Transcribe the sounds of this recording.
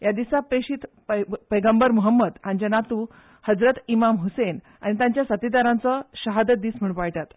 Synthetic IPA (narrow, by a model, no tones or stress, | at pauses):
jad̪isapeɕiːt̪ | pəjɡəmbəɾmuɦəmːəd̪aɲd͡ʑənat̪uː | həd͡zɾət̪imamɦusen | a̰ñit̪ãɲt͡ɕjasət̪id̪aɾãnt͡səɕəɦad̪əd̪iːsm̤əɳ̃pajʈ̪at̪